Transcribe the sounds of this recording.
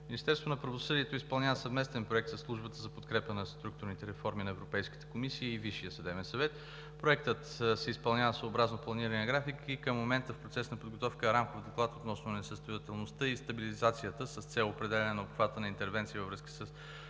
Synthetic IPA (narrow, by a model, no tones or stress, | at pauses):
mminist̪ɛɾst̪vonɐpɾɐvosɤd̪iɛt̪oispɐlˠnʲavəsɐvmɛst̪ɛnpɾoɛkt̪səsːlˠuʒbət̪əzɐpot̪kɾɛpənɐst̪ɾuk̚t̪ʊɾnit̪ɛɾɛfɔɾminɐɛvɾopɛjski̥t̪ɛ̥komisiːviʃijəsɐd̪ɛbɛnsɐvɛt̪ | pɾoɛk̚t̪ət̪sɛispɐlˠnʲavəsoːbɾaznoplˠɐniɾəniəɡɾafikikəmːomɛnt̪əfpɾot̪sɛsnɐpod̪ɡot̪ɔfkəɾamkovd̪oklˠat̪ot̪nɔsnonɛsəst̪ojɐt̪ɛlˠnost̪əist̪ɐbilizat̪sijət̪əsəst̪sɛlˠopɾɛd̪ɛlʲɐnɛnɐopxvat̪ənɐint̪ɛɾvɛnt̪sivəvɾɤskə̥səs